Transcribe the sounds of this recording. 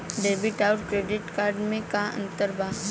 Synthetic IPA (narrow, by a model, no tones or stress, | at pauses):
ɖeːbɪʈaːʊʈ̚kɾeːɖɪʈkaːɾɖmẽkaə̰̃nt̪əɾbʱaː